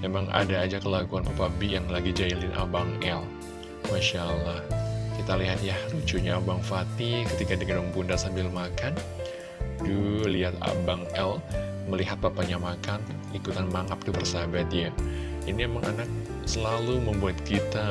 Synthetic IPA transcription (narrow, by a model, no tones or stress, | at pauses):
memaŋʔa̰daːd͡ʒakəlaɡuanpapabijaŋlaɡid͡ʒailɪnʔa̰baŋɛl | maʃalahkit̪aliɦat̪jahrut͡ʃuɲaːbaŋfat̪ikət̪ikadiɡənuŋpundasambɪlmakan | duliɦat̪a̰baŋɛl | məliɦat̪̚papaɲamakan | likut̪anmaŋap̚t̪ubərsabat̪̚jainimemaŋʔanak̚ | səlaluməmbuat̪̚kit̪a